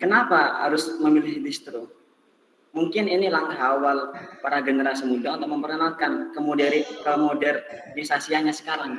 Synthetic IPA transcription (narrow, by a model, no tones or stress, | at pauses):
kənapaɦa̰ɾʊsməmilɪhdist̪ɾo | muŋkɪninilaŋkaɦawalpaɾaɡənəɾasimudaunt̪ʊk̚məmpəɾanal̚kankəmodɛɾikəmodɛrnisasianɲasə̥kaɾaŋ